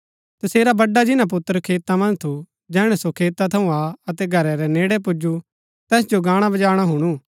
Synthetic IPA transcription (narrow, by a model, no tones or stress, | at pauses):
t̪ɐseːɾabɐɖːad͡ʒɪnãp̬ʊt̪ːəɾəkʰeːt̪amɐ̃nd͡ʒt̪ʰu | d͡ʒɛːɽ̃ɛsokʰeːt̪at̪ʰɐũaːɐt̪ɛɡʱɐɾɛɾɛneːɽɛp̬ʊd͡ʒu | t̪ɛːsd͡ʒoɡaːɽ̃abɐd͡ʒaːɽ̃aɦʊɽ̃u